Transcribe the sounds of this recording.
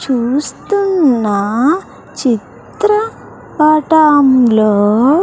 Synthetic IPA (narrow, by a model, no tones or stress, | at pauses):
t͡ʃust̪unːa | t͡ɕit̪ɾə | paʈamlɔ